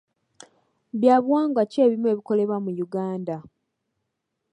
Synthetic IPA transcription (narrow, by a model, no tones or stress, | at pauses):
βjaːβwaːŋɡace̞ːβimue̞ːβiko̞le̞βwamujuɡaːnda